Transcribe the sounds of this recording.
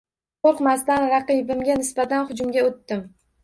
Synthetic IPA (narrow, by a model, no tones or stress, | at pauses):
qʰoɾqmasd̪anɾɑqɨjɪbɪmɡʲanɪsbat̪anχʊd͡ʒʊmɡʲaot̪ːɪm